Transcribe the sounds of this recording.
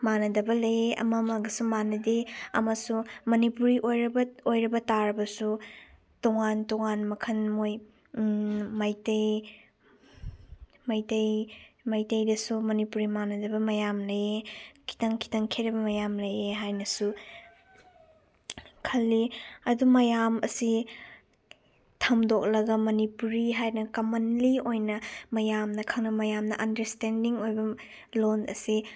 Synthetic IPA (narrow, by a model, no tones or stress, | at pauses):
manɐdɐbɐlɐjeʔɐ̰mɐmɐɡɐsumanɐdeɐ̰mɐsumɐnipuɾiʔojɾɐbɐojɾɐbɐtaɾɐbɐsu | toŋantoŋanmɐkʰɐnmoj | majtɐj | majtɐjmajtɐjdɐsumɐnipuɾimanɐdɐbɐmɐjamlɐjekʰi̥tɐŋkʰi̥tɐŋkʰeɾɐbɐmɐjamlɐjeɦajnɐsu | kʰɐlːiɐdumɐjamɐ̰si | tʰɐmdok̚lɐɡɐmɐnipuɾiɦajnɐkɐmɐnliojnɐmɐjamnɐkʰɐŋnɐmɐjamnɐʔɐndɐɾstendiŋojbɐ | lonɐ̰si